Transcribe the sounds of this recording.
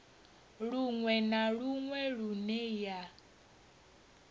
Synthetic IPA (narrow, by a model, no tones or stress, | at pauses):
ɺuŋwɛnaɺuŋwɛɺunɛja